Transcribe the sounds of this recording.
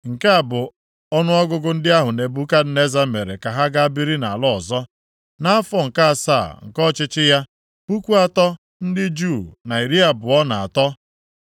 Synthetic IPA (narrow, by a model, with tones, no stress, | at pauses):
ŋ̩˨ka˦a˨bʊ˨ | ɔ˦nʊ˦ɔ˦ɡʊ˦ɡʊ˦n̩˦dɪ˦a˦ɦʊ˨ne˨bu˦ka˦d̩˦ne˦za˦me˨ɾḛ˨ka˨ɦa˦ɡa˦a˦bi˦ɾi˦na̰˨lɔ˦ɔ˨zɔ˦ | na˦a˦fɔ˦ŋ̩˨ka˦a˨sa̰˦˨ŋ̩˨kɔ˦t͡ʃɪ˦t͡ʃɪ˦ja˦ | pu˦kʷu˦a˨tɔ˦ | n̩˦dɪ˦d͡ʒu˦˨na˨i˨ɾi˦a˨bʊ˨ɔ˦na˨a̰˨tɔ˦